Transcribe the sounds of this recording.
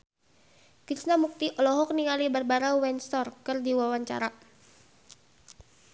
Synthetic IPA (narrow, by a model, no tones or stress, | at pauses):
kisnamuk̚t̪iʔɔlɔɦɔk̚niŋalibərbaɾawɛnst̪ɔrkɨrdiwawaɲt͡ʃa̰ɾa